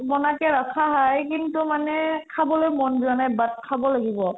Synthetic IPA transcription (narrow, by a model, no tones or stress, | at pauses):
mɔnakɛɹakʰaɦajkintumanɛkʰabɔlojmɔnzianajbat̚kʰabɔlaɡibɔ